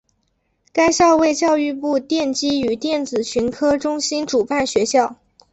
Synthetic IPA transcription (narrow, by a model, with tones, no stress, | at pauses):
ka˥ɪɕjɑ˥˧ʊwe˥˧ɪt͡ɕjɑ˥˧ʊy˥˧pu˥˧t̪jɛ˥˩nt͡ɕi˥y˨˩t̪jɛ˥˩nt͡sɹ̩˨˩ɕʰy˧˥nkʰɤ˥ʈ͡ʂʊ˥ŋɕi˥nʈ͡ʂu˨˩pa˥˩nɕɥɛ˧˥ɕjɑ˥˩ʊ